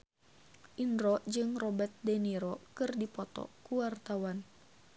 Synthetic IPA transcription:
ʔinɾɔd͡ʒɨŋrɔbɛt̪̚dɛniɾɔkɨrdipɔt̪ɔ̰kuwart̪awan

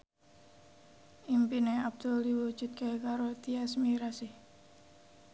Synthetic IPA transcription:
ʔimpineab̚d̪̥oliwu̥d͡ʒ̥ut̪̚kekaɾot̪iasmiɾasih

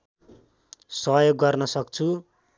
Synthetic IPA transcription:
sʌɦjoɡːʌrnʌsʌkt͡sʰu

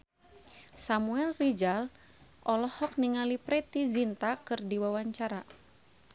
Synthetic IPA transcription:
samuɛlrid͡ʒal | ʔɔlɔhɔk̚niŋalipɾɛt̪izint̪akɨrdiwawaɲt͡ʃaɾa

